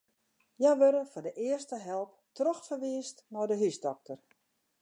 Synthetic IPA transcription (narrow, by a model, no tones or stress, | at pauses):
jɛjʋøɾəfɔdəʔɪərstəɦɛlˠp̚ | trɔxfərʋiːstnɔjdəɦysdɔk̚tʰər